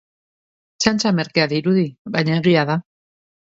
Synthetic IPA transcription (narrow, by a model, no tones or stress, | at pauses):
t͡ʃant͡ʃame̞ɾkeaðiɾuðiβajɲaeɣiaða